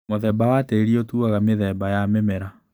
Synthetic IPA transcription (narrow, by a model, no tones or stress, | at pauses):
moðɛbawateeɾiotuaɣameðɛbajamɛmɛɾa